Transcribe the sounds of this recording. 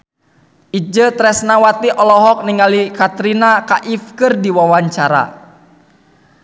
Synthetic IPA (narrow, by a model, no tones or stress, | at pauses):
ʔid͡ʒət̪ɾɛsnawat̪iʔɔlɔɦɔk̚niŋalikat̪ɾinakaʔifkɨrdiwawaɲt͡ʃaɾa̰